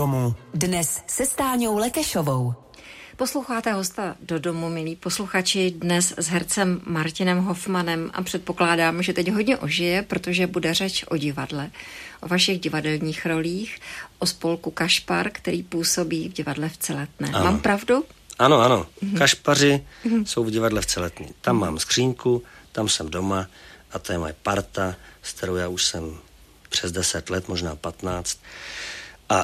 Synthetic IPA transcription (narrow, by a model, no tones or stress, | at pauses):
omudnɛssɛst̪aːɲowlɛkɛʃovow | po̞slowxaːt̪ɛɦo̞st̪ado̞do̞mumɪliːpo̞sluxat͡ʃɪdnɛszɦɛɾt͡sɛmːaɾcɪnɛmɦo̞fmanɛmʔa̰pr̥ɛt̪̚po̞klaːdaːmʒɛt̪ɛɟɦo̞dɲɛʔoʒɪjɛpɾo̞t̪o̞ʒɛbudɛrɛt͡ʃʔo̞ɟɪvadlɛʔo̞vaʃɪɣɟɪvadɛlɲiːxɾo̞liːxʔospo̞lkukaʃpaɾkt̪ɛɾiːpuːso̞biːvɟɪvadlɛft͡sɛlɛt̪nɛ̰ːmmaːmpɾavduʔanoanokaʃparɪso̞wvɟɪvadlɛft͡sɛlɛt̪ɲɪ̰t̪amːaːmskr̝̥iːŋkut̪amsɛmdomaʔat̪ajɛmajɛpaɾt̪askt̪ɛɾowjaːuʃsɛm | pr̥ɛzdɛsɛt̪lɛt̪moʒnaːpat̪naːt͡st̪̚ | ʔa